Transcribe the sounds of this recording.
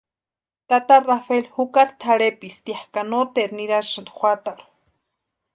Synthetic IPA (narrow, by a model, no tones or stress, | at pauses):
t̪at̪arafelhukaɾt̪ʰaɽepist̪iahkanot̪eɾniɾaɾʃand̪xʷat̪aɾu̥